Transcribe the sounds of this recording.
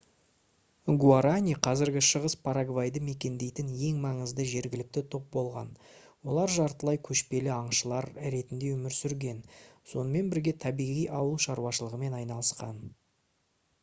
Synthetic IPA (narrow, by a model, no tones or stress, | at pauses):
ɡuaɾanʲiqʰɑzɪɾɡʲɪʃəʁəspʰaɾaɡvajd̪əme̞kʲe̞nd̪e̞jt̪ɪnje̞ŋmɑɴəzd̪əʒe̞ɾɡʲɪlɪk̚t̪ɪt̪ʰo̞p̚bo̞lˠʁɑ̰n | wo̞lˠɑɾʒɑɾt̪əlˠɑjkʲʰɵʃpe̞lɪɑɴʃəlˠɑɾɾe̞t̪ɪnd̪e̞wɵmɪɾsʏɾɡʲe̞nso̞nəme̞nbɪɾɡʲe̞t̪ʰɑbijʁijʔɑwəlˠʃɑɾuwɑʃəlˠəʁəme̞nɑjnɑlˠəsqɑ̰n